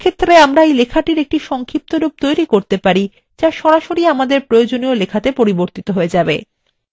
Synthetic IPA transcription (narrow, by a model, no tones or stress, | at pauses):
kʰet̪ːɾeamɾaejlekʰaʈiɾek̚ʈiʃɔŋkʰip̚t̪oɾub̚t̪ojɾikoɾt̪epaɾi | d͡ʑaʃɔɾaʃoɾiamad̪eɾpɾojod͡ʑoniolekʰat̪epoɾiboɾt̪it̪oɦoed͡ʑabḛ